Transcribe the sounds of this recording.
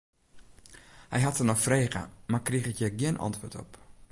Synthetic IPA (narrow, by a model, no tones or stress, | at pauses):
hɛ̰jɦatənɔxfreːɣə̰markriχɪkjəɡiənʔɑ̰ntʋoːtʰɔ̰p